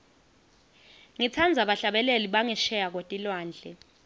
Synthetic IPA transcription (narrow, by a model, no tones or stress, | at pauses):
ŋit͡sʰand͡zʱaɓaɬaɓɛleliɓaŋɛʃɛjak̬ʼwotʼilwaːnd͡ɮʱɛ